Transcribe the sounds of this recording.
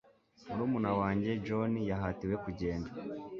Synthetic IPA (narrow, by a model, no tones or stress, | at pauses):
muɾuːmunawaːɲɟe̞d͡ʒonijaɦatiwe̞kuɟe̞ːnda